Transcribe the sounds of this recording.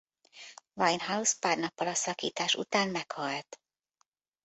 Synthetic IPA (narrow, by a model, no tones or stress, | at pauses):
vɒjnhauspaːrnɒpːɒlɒsɒkḭːt̪aːʃṵt̪aːnmɛkhɒlt̪